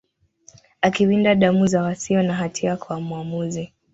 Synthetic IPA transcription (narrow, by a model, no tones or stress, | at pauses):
akiwindaɗamuzawasiɔnaɦatʰiakwamuamuzi